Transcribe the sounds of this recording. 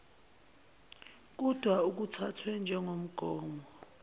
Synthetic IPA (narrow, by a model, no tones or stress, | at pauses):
k̬ud̥ʱwauk̬utʰatʰwɛnd͡ʒʱɛŋom̩ɡ̥ʱɔːmbʱɔ